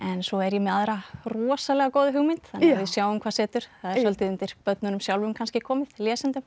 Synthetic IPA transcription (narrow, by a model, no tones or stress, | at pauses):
ɛnsɔɛɾjɛmɛðaðɾarɔːsalɛɣakoːwðʏɦʏɣmɪnt̪θanɛvɪðsjaːwʏmkʰaːsɛːt̪ʏɾ̥θaðɛɾfœlt̪ɪðʏnt̪ɪɾ̥pœt̪nʏnʏmsjawlvʏmkʰanscɪkʰɔːmɪðljɛːsɛnt̪ʏm